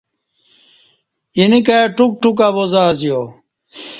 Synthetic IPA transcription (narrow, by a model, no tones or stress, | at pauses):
jinikaʈuk̚ʈukaːbozaːzd͡ʑijoː